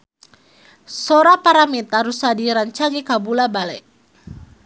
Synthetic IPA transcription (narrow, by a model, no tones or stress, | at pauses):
soɾapaɾamit̪aɾusadiɾant͡ʃaɡɛkabulabalɛ